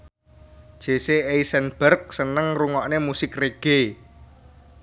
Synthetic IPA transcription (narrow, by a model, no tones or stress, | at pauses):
ʒ̥e̤seeisɛnb̥ərk̚sənəŋruŋɔʔnemusɪkreɡ̥e